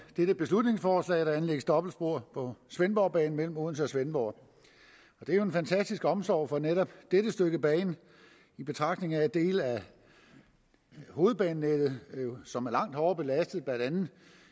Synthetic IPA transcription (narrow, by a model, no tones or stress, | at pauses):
d̥eɾ̥əb̥e̝slud̥ne̝ŋsfɒːslɛ̰ɪɾ̥ɑ̈ænleɡəsd̥ɒ̽b̥l̩sb̥o̝ɐ̰pʰɒ̽sʋenb̥ɒʊ̰b̥ɛ̰ːn̩mel̰m̩oðˠn̩səsʋenb̥ɒʊ̰ | ɒ̽d̥eæɐjoenfænt͡sʰæsd̥isɡ̥əɒ̽msɒ̰ʊ̰fɒ̽neɾɒ̽b̥d̥eɾ̥əsd̥øɡ̥əb̥ɛ̰ːn | ib̥e̝t͡sʰʁɑ̈ɡ̥d̥ne̝ŋæed̥e̝̰ːlæ | ho̝ːð̞̩ˠb̥ɛːn̩ːed̥ð̩ˠsɒ̽mæɐlɑ̈ŋ̰d̥hɒʊɐb̥e̝læsd̥ð̞̩ˠb̥lænd̥ænð̩ˠ